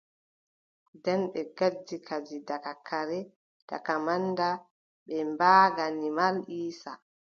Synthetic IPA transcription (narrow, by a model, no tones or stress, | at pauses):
dɛnɓɛɡad͡ʒːikʰad͡ʒidakakaɾɛ | d̥a̰kamanda | ɓɛmbaːɡanimaliːsa